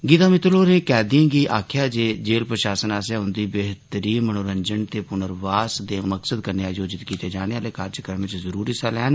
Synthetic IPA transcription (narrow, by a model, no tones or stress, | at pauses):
ɡiːt̪aːmɪt̪loːɾẽːkɛːd̪iãːɡiːʔaːkʰjaːd͡ʒeːd͡ʒeːlpɾəʃaːsənaːs̬aːʊnd̪iːbeːɦt̪əɾiːmənoːɾəɲd͡ʒəɳt̪eːpʊnəɾʋaːsd̪eːməksəd̪kəɾneaːjoːd͡ʒɪt̪kiːt̪eːd͡ʒaːneaːleːkaːɾd͡ʒəkɾəʋɪt͡ʃzəɾuːɾiːsalɛːn